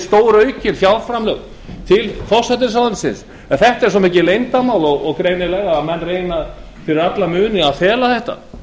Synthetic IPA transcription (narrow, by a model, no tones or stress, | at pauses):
st̪oːwɾœːɥcɪnfjawlfɾamlœɣ | t̪ʰɪlfɔ̥sat̪̬ɪɾs̬awðansɪns | ɛnθɛht̪aɛɾ̥sɔmɪːcɪlejnt̪amaːwlɔɣɔɣkɾejnɪlɛɣaːmɛnːrejna | fɪɾɪɾat̪lamʏːnɪaðfɛːlaθɛht̪a̰